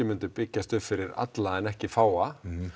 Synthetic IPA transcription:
ɪmʏnt̪ʏpɪcːast̪ʏffɪɾɪɾa̰t̪laɛnɛhcɪfaːwa

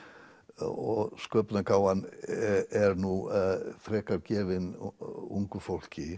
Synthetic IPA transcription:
ɔɣskœːpnakʰaːwan | ɛɾnuθɾɛːkaɾcɛːvɪnṵŋkʏfowl̥cɪ

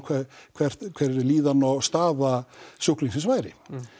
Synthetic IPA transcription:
kʰɛkʰvɛr̥t̪kʰvɛɾliːðanɔwst̪aːðasohkliŋsɪsvaːjɾɪ̰

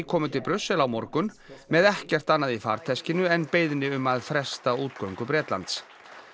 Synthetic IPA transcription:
kʰɔːmʏt̪ʰɪlpɾʏsːɛlawmɔɾkʏn | mɛðɛhcɛr̥t̪anːaðifa̰ɾ̥t̪ʰɛscɪnʏɛnpeːjðnɪʏmaðfɾɛst̪auːt̪̚kœwŋkʏpɾɛːt̪la̰nt̪s

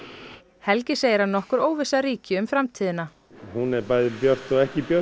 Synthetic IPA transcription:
hɛlcɪseːjɪɾanɔhkʏɾoːwvɪsaɾiːcɪʏmfɾamt̪ʰiːðɪna | hunɛɾpajðɪpjœr̥t̪ɔɣɛhcɪpjœ

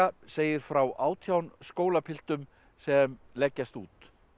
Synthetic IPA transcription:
aseːjɪɾ̥fɾawʔaːwt̪ʰjawnskoːwlapʰɪl̥t̪ʏm | sɛmlɛcːast̪ṵːt̪

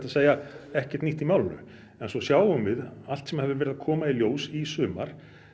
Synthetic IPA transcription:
t̪aseːjaɛhcɛ̥t̪niht̪imaːwlnʏ̰ | ɛnsɔsjaːwʏmvɪðalt̪sɛmhɛvðʏɾvɛɾɪðakʰɔːmailjoːwsisʏːma̰ɾ̥

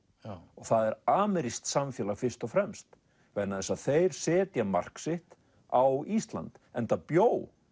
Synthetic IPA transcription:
ɔɣθaðɛɾaːmɛɾist̪samfjɛːlafɪr̥st̪ɔfɾɛmst̪ | venaðɛsaðθejɾ̥sɛːt̪jama̰r̥ksɪht̪ | awist̪la̰nt̪ɛnt̪apjoːw

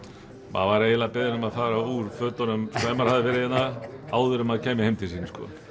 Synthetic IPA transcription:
ma̰ðvaɾejlapɪðnʏmaðθaːɾauɾ̥fœːt̪anʏmvɛːmaɾhaðɪvɛːɾɪðɪnːaaːwðʏɾʏmaðcʰɛːmɪheɪjmt̪ʰɪlsiːnskɔ̰

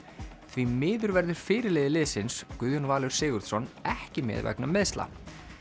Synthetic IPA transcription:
θvimɪːðʏɾvɛɾðʏɾ̥fɪːɾɪleːðɪlɪːsɪnskʏðjʏnvaːlʏɾ̥sɪːɣʏɾðsɔnɛhcɪmɛ̰ːðvɛ̰knamɪðst̪la̰

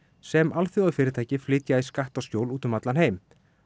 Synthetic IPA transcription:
sɛmʔalθoaðfɪːɾɪɾt̪ʰajcɪflɪːt̪jaiskaht̪ascowluːt̪ʏmat̪lanheːjm

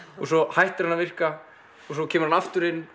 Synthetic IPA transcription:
ɔɣsɔhajht̪ɪɾanːavɪr̥ka | ɔsɔcʰɛːmʏɾanaft̪ʏɾɪnː

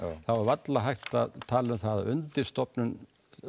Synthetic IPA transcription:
θavaɾvat̪laɦajht̪at̪ʰaːlʏmθaðaʏnt̪ɪɾ̥st̪ɔpnʏn

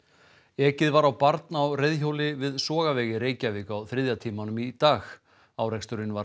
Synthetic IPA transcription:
ɛːcɪðvaɾawpaɾt̪nawrejðçoːwlɪvɪðsɔːɣavɛːɣɪɾeːjcavɪːkawθɾɪðjat̪ʰiːmanʏmit̪aːx | awɾɛkst̪ʏɾɪnva

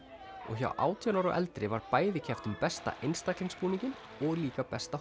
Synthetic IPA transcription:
ɔ̰ɣça̰wʔa̰ːwt̪ʰianawɾaʔɛ̰lt̪ɾɪvaɾpaːjðɪcʰɛft̪ʏmpɛst̪a̰ʔejnst̪aklɪnspuːniɲcɪn | ɔɣliːkapɛst̪a

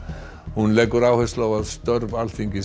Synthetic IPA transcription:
hunlɛkːʏɾaːwhɛslawaðst̪œɾval̥θiŋcɪ

